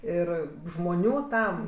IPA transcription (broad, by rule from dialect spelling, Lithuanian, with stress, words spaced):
ˈɪr ʒmoːˈnʲuː ˈtɐm